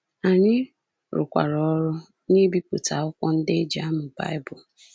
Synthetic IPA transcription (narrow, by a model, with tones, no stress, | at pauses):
a˨ɲɪ˦ | ɾʊ̰˨kʷa̰˨ɾɔ˦ɾʊ˦ | ɲe˦bi˦pʊ˨ta˨ʊ˦kʷɔ˦n̩˦dɪ˦d͡ʒa˦mʊ˨ba̰˦jbʊ˨